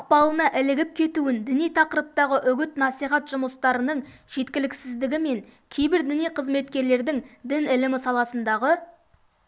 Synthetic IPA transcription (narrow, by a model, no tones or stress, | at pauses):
ʊq̚pɑlˠənɑʔɪlɪɡʲɪp̚kʲʰe̞t̪uɪnd̪ɪnijt̪ʰɑqəɾəp̚t̪ɑʁəʔʏɡʲɪt̪nɑsijχɑt̪ʒʊməst̪ɑɾənəɴʒ̥e̞t̪kʲɪlɪksɪzd̪ɪɡʲɪme̞ŋkʲʰe̞jbɪɾd̪ɪnijqʰəzme̞t̪kʲe̞ɾle̞ɾd̪ɪŋd̪ɪnɪlɪmɪsɑlˠɑsənd̪ɑʁə